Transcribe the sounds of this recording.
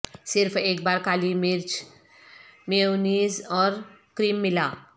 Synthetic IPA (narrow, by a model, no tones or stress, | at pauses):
sɪɾpʰeːk̚baːɾkaːlimɪɾt͡ʃ | meoniːzɔːɾkɾiːmːɪlaː